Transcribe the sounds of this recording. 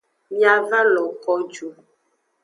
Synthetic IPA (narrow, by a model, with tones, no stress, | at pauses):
ja˨va˦lɔ˨kɔ˦d͡ʒu˨